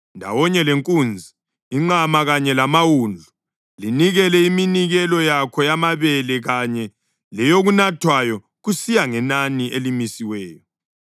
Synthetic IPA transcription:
ndʱa̰wɔɲɛleŋkʼuːnd͡zʱiː | ŋ͡ǃamaɣaɲɛlamawuːnd͡ɮʱu | liniɣɛlɛiminiɣɛlɔjakʰɔjamaβɛlɛɣaɲɛ | lɛjoɣunatʰwajɔ | ɣusijaŋɛnaniʔelimisiwɛːjɔ

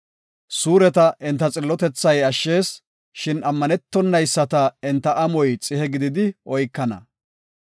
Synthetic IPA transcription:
suːɾɛt̪ɐʔɪnt̪ːɐt͡sʼɪlːɔt̪ɛt͡sːɐjɐʃːe̞ːs | ʃɪnɐmːɐnɛt̪ːɔnːɐjsːɐt̪ɐɪnt̪ːɐʔɐmɔjt͡sʼɪhɛɡɪd̪ɪd̪ɪɔjkːɐnɐ̰

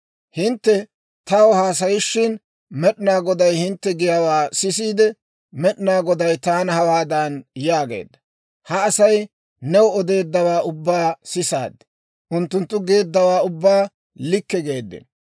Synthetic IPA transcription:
hɪnt̪ːɛ | t̪ɐwɔhaːs̬ɐjɪʃːɪn | mɛɗnaːɡɔd̪ɐjhɪnt̪ːɛɡɪjawaːsɪs̬iːd̪ɛ | mɛɗnaːɡɔd̪ɐjt̪aːnhɐwaːd̪ɐnjaːɡḛːd̪ːɐ | hɐːsɐj | nɛwɔɔd̪e̞ːd̪ːɐwaːʔʊbːaːsɪsa̰ːd̪ːɛ̥ | ʔʊnt̪ːʊnt̪ːʊɡe̞ːd̪ːɐwaːʊbːaː | lɪkːɛɡe̞ːd̪ːɪ̰n

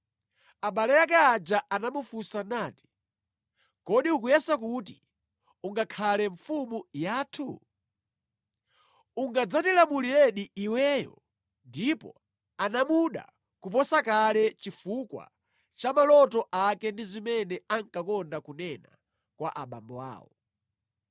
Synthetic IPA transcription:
aɓalɛjakɛad͡ʒaʔanamufusanaːti̥ | kɔɗiukujɛsakut̬i | uŋɡakʰalɛɱfumujaːtʰu | uŋɡad͡zatilamulilɛɗiiwɛjɔ̰ | ndipɔ̰ | anamuɗa̰ | kupɔsakalɛt͡ʃifukwa̰ | t͡ʃamalɔtɔʔakɛndizimɛnɛaŋkakɔndakunɛna̰ | kwa̰ʔaɓa̰mbɔaa̰ːwɔ

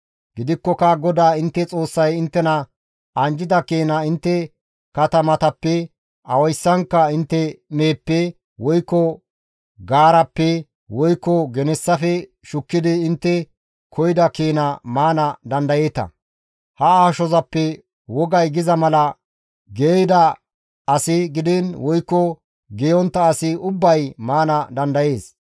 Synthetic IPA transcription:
ɡɪd̪ɪkːɔkɐɡɔd̪aːɪnt̪ːɛt͡sʼo̞ːsːɐjɪnt̪ːɛnɐ | ɐnd͡ʒɪd̪ɐkeːnɐɪnt̪ːɛ | kɐt̪ɐmɐt̪ɐpːɛ | ɐwɐjsːɐŋkːɐɪnt̪ːɛme̞ːpːɛ | wɔjkːɔ | ɡaːɾɐpːɛ | wɔjkːɔɡɛnɛsːɐfɛ | ʃʊkːɪd̪ɪːnt̪ːɛ | kʰɔjɪd̪ɐkeːnɐmaːnɐd̪ɐnd̪ɐjeːt̪ɐ̰ | hɐaːʃɔzɐpːɛ | wɔɡɐjɡɪzɐmɐlɐ | ɡeːjd̪ɐ | ɐsɪɡɪd̪ɛnwɔjkːɔ | ɡɛjɔnt̪ːɐːsɪʊbːɐjmaːnɐd̪ɐnd̪ɐje̞ːs

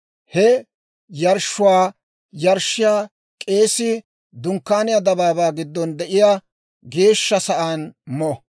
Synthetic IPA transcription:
hɛ | jɐɾʃːʊwaː | jɐɾʃːɪjaː | kʼe̞ːsɪ | d̪ʊŋkːaːnɪjɐd̪ɐbaːbaːɡɪd̪ːɔnd̪ɛʔɪjaː | ɡe̞ːʃːɐsɐʔaːnmɔ

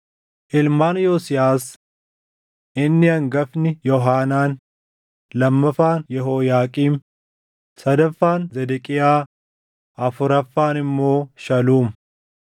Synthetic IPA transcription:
ʔɪlmaːnjoːsɪjaːs | ʔɪnːɪɐŋɡɐfnɪjɔɦaːnaːn | lɐmːɐfaːnjɛɦoːjaːkʼiːm | sɐd̪ɐfːaːnzɛd̪ɛkʼɪjaː | ʔɐfʊɾɐfːaːnɪmːo̞ːʃɐluːm

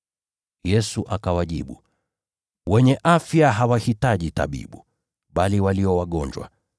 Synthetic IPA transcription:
jɛsuʔakawaʄḭɓu | wɛɲɛʔafjaɦawahitaʄita̰ɓḭɓu | ɓaliwaliɔwaɠɔɲd͡ʒwa̰

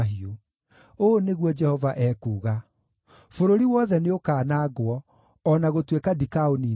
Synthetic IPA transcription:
ɦio | oːneɣwɔd͡ʒɛhɔvaʔɛːkuːɣa | foɾoɾiwɔðɛneokaːnaːɣwɔ | ɔnaɣotwekadikaoni

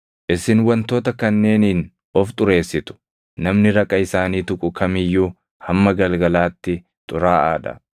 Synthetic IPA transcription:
ʔɪsɪnwɐnt̪o̞ːt̪ɐkɐnːe̞ːniːn | ɔft̪ʼʊɾe̞ːsːɪt̪ʊ̥ | nɐmnɪɾɐkʼːɐɪsaːniːt̪ʊkʼʊkʰɐmɪjːuː | hɐmːɐɡɐlɡɐlaːt̪ːɪ | t̪ʼʊɾaːʔaːᶑɐ̰

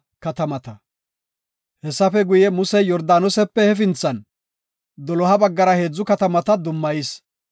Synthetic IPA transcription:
kɐt̪ɐmɐt̪ɐ | hɛsːɐfɛɡʊjɛmʊsɛjɔɾd̪aːnɔsɛpːɛhɛf̬ɪnt͡sːɐn | d̪ɔlɔhɐbɐɡːɐɾɐhe̞ːd͡zːʊkɐt̪ɐmɐt̪ɐd̪ʊmːɐjɪs

